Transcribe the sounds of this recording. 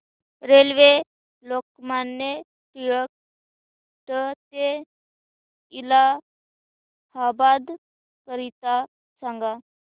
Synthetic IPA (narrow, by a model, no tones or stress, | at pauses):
ɾelʋe | lokmanːe | ʈijək̚ | ʈ̪ət̪e | ila | habad̪ | kəɾit̪a | saŋɡa